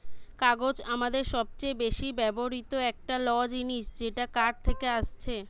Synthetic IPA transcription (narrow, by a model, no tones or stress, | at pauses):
kaɡod͡ʑamad̪eɾʃɔb̚t͡ɕejbeʃibɛboɾit̪oɛk̚ʈalɔd͡ʑiniʃd͡ʑeʈakaɖ̚t̪ʰekeaʃt͡ɕʰe